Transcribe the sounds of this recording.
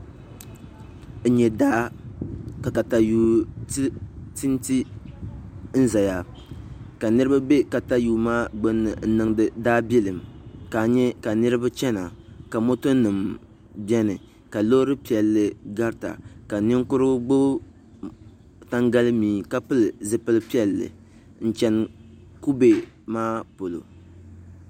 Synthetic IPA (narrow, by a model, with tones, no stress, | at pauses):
ɲɛ˨da˦ | ka˨ka˨ta˨juː˦ | ti˦n˦ti˦ | n̩˦za˨ja˨ | ka˨nɨ˦ɾɨ˦ba˦bɛ˦ka˨ta˦juː˨˦maː˦ɡ͡bo˦nːɨ˨n̩˦nɨ˨ŋdɨ˨daː˦bɛ˦lɨ˨mka˨ɲɛ˦ka˨nɨ˦ɾɨ˦ba˦t͡ʃɛ˦na˨ka˨mo˦to˦nɨ˨m | bɛ˦nɨ˨ | ka˨lo˦ɾɨ˦pi˨ɛ˨lːɨ˨ɡa˦ɾta̰˨ka˨nɪ˦ŋ˦kʊ˦ɾɨ˦ɡ͡bo˦ | ta˦ŋɡa˦lɨ˦miː˨ka˦pɨ˦lɨ˨zɨ˦pɨ˦lɨ˦pi˦ɛ˨lːɨ̰˨ | n̩˦t͡ʃɛ˨n˨ | ku˦be˨ | maː˦po˨lo̰˨